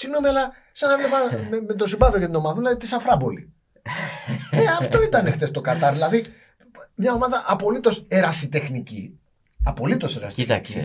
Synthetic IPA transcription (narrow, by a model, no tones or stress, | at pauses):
siɣno̞miɐlɐ | sɐnevlepɐmemet̪o̞simbɐviocet̪ino̞mɐðɐðilɐðit̪isɐfɾɐbo̞lḭ | eɐft̪oit̪ɐnext̪e̞st̪o̞kɐt̪ɐɾðilɐði | mɲɐo̞mɐðɐʔɐpo̞lit̪o̞seɾɐsit̪e̞xnici | ɐpo̞lit̪o̞seɾɐ̰si̥it̪ɐ̰ks